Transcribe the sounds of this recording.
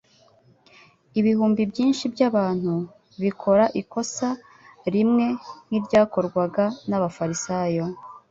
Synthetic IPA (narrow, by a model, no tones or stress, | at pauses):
iβihuːmbibɟiːnʃibɟaβaːn̥hu | βikʰo̞ɾaʔiko̞sa | ɾimŋe̞n̥iɾɟaːko̞ɾɡwaɡanaβafaɾisaːjo̞